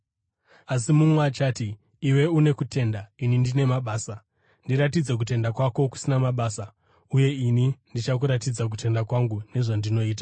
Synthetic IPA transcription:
as̬imumat͡ʃaːtiː | we̞une̞kutʰe̞ndainindine̞maɓaːsa | ndiɾat̬id͡ze̞k̬ut̬e̞ndakwako̞ku̥sinamaɓaːsa | uje̞inindit͡ʃak̬uɾatid͡zak̬ute̞ndakwaŋɡune̞ʐandino̞iːt̬ḁ

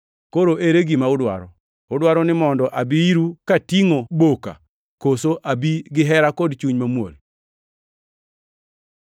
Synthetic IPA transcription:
koɾoʔeɾeɡimaʊdwa̰ɾɔ | ʊdwaɾɔnɪmɔndɔʔabiiɾukatiŋoboka̰ | kosoʔabiɡɪɦɛɾakɔdt͡ʃuɲmamwo̰l

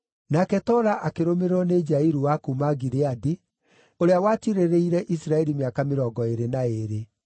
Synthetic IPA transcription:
nakɛtɔɾaʔakeɾomeɾɔned͡ʒaiɾuwakumaɡiɾeadi | oɾeawaːtiɾeɾeiɾɛʔisɾaɛɾimeakameɾɔːɡɔeɾenaeɾe

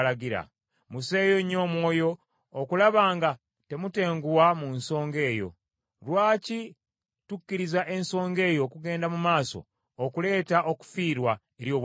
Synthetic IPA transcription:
laɡiɾa̰ | muse̞ːjo̞ɲːo̞ːmwo̞ːjo̞ː | kulaβaːŋɡa | te̞mute̞ːŋɡuwamunso̞ːŋɡe̞ːjo̞̰ | lwaːci | tucːiɾizaʔe̞nso̞ːŋɡe̞ːjo̞ːkuɡe̞ːndamumaːso̞̰ | okule̞ːtaʔo̞ku̥fiːɾwa | eɾjo̞ːβ

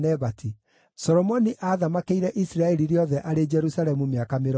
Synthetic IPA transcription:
nɛβatʰi | sɔɾɔmɔniʔaðamakeiɾɛʔisiɾaɛɾiɾjɔðɛʔaɾed͡ʒɛɾusaɾɛmumeakameɾ

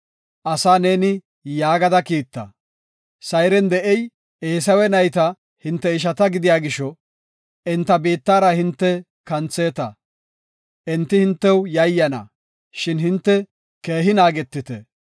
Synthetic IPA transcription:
ʔɐsaːne̞ːnɪ | jaːɡɐd̪ɐkiːt̪ːɐ̰ | sɐjɾɛnd̪ɛʔɛj | eːs̬ɐwɛnɐjt̪ɐ | hɪnt̪ːɛɪʃ̬ɐt̪ɐɡɪd̪ɪjaːɡɪʃɔ | ɛnt̪ːɐbiːt̪ːaːɾɐhɪnt̪ːɛ | kɐnt͡sːeːt̪ɐ̰ | ʔɛnt̪ːɪhɪnt̪ːɛwjɐjːɐnɐ̰ | ʃɪnhɪnt̪ːɛ | keːɦɪnaːɡɛt̪ːɪt̪ɛ

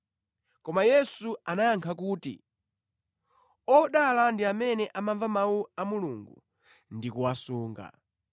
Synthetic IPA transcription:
kɔmajɛsuanajaŋkʰakuːtḭ | ɔɗalandiamɛnɛʔamaɱvamawuamuluŋɡu | ndikuwasuːŋɡa̰

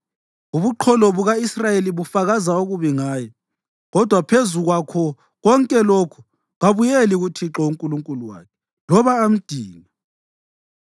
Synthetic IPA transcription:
uβuǃʰɔlɔβuɣaisrajeliβufaɣazauɣuβiŋaːjɛ | ɣɔd̥ʱwapʰezuɣwakʰɔ | ɣɔŋkʼɛlokʰu̥ | ɣaβujɛliɣutʰiǁɔuŋkʼuluŋkʼuluwa̰ːkʰɛ̥ | lɔβaːm̩d̥ʱiːna

